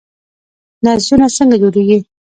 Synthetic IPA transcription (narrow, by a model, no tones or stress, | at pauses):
nazunasəŋɡad͡ʒoɾeɡi